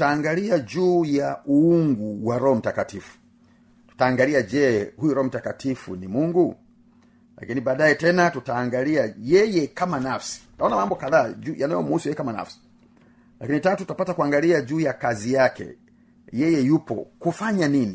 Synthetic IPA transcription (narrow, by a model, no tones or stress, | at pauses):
taːŋɡaliad͡ʒuːjaʔuuŋɡuwaɾɔhɔm̩takatifu̥ | tu̥taːŋɡaliad͡ʒɛhujuɾɔɔm̩takatʰifṵnimuŋɡu | la̰kinibaːdajɛtɛnatutaːŋɡaliajɛjɛkamanafsi̥taɔnamambɔkaðaːd͡ʒuːjanajɔmuusujɛjɛkamana̰fsi̥ | lakinitatuttapatakuaŋɡaliad͡ʒuːjakazijakɛ̰ | jɛjɛjupɔ̰kufaɲanini